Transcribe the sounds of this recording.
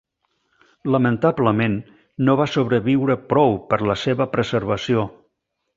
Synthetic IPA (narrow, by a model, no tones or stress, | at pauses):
ləmənt̪abləmenː | oβasoβ̞ɾəβiwɾəpɾɔwpəɾləseβəpɾəzəɾβəsio